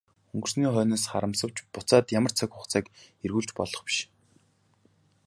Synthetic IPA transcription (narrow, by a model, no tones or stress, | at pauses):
ɵŋɡɵ̆rsniːχœːnaːsχa̰ɾə̆msə̆w̥t͡ɕpʊt͡saːt̪jamə̆r̥t͡sʰœkʲʊχt͡sʰæːkerɣuːɮt͡ɕpɔɮɞ̆χpi̥ʃ